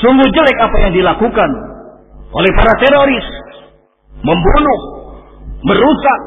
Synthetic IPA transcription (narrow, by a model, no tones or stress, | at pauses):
suŋɡuhd͡ʒəlɛkapajaŋdilakukan | ʔo̰lɛhpaɾat̪ɛɾoɾɪs | məmbunʊh | məɾusak̚